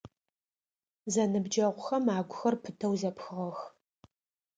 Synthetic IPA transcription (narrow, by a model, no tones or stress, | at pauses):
zɐnɨbd͡ʒɐʁʷʊxɐmaːɡʷʊxɐrpʰɨtʰɐwzɐpxɨʁɐx